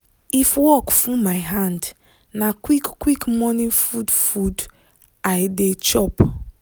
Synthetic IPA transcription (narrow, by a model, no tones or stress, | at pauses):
ifwɔkfumaɪɦãnd | nakwikkːwikmɔnĩfudfud | ajdet͡ʃɔp